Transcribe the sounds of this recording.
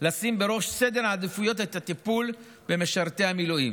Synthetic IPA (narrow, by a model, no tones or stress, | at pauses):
lasimbe̞ʁo̞ʃse̞d̪e̞ɾaːd̪fujo̞t̪et̪at̪ipul | be̞meʃaʁt̪e̞amilujim